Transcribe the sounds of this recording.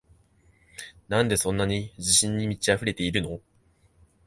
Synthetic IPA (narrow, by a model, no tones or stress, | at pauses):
nãnd̪e̞sõ̞nːaɲ̟id͡ʑiɕĩɲ̟ːimʲit͡ɕiaɸɯ̟ɾe̞t̪e̞iɾɯ̟no̞